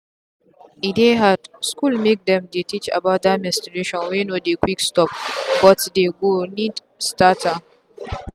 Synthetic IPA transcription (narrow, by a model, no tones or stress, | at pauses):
ʔideɦadskulmek̚dɛ̃mdetit͡ʃa̰baʊt̚dajmɛstiɾeʃɔ̃nwenodekwikstɔp̚wɔtdeɡonid | stata